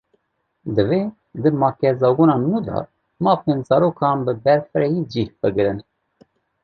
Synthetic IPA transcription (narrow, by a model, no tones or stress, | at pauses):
d̪ɨve | d̪ɨmɑːkɛzɑːɡunɑːnuːd̪ɑ̰ | mɑːfeːnzɑːɾoːkʰɑːnbɨbɛɾfɨɾɛjid͡ʒihbɨɡɨɾɨn